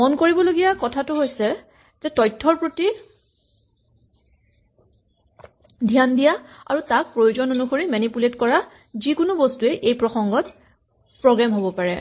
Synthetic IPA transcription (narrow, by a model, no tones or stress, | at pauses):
mɔnkoɹibɔloɡijakɔtʰatʊɦojsɛ | z̥ɛtɔjtʰːɔɹpɹoti | dʱijandijaa̰ɹutak̚pɹojuzɔnonuxoɹimɛnipuletkɔɹa | zikʊnubostuɛʔejpɹɔxɔŋɡɔt | pɹɔɡɹamɦobɔpaɹɛ